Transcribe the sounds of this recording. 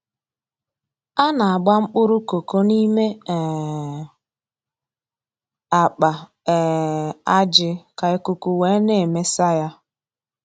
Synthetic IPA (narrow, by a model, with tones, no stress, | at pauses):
a˦na˨a˨ɡ͡ba˦ŋ͡m̩˦k͡pʊ˦ɾʊ˦ko˨ko˦ni˦me˦ɛ˨ | a˨k͡pa˨ | ɛ˨a˦d͡ʒɪ˦ka˨e˨kʊ˨ku˨we˨˦ne˦e˨me˦sa˦ja˦